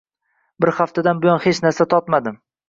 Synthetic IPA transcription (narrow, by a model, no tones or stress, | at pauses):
bɪɾhaft̪ʰad̪anbʊjɒnhet͡ʃnaɾsat̪ʰɒt̪mad̪ɪm